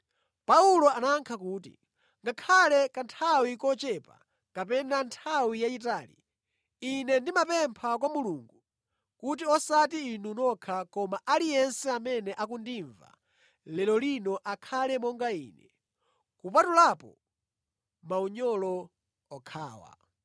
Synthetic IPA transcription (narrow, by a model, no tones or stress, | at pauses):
paulɔanaːŋkʰakuːtḭ | ŋɡakʰalɛkantʰawikɔt͡ʃɛpa̰ | kap̬ɛnantʰawijaitaːlḭ | inɛndimapɛmpʰak̬wamuluːŋɡu | kut̬iɔsat̬iːnunɔkʰakɔmaʔalijɛnsɛamɛnɛʔakundiɱva̰ | lɛlɔlinɔʔakʰalɛmɔŋɡaḭːnɛ | kupatulaːpɔ̰ | mauɲɔlɔ | ɔkʰa̰ːwa̰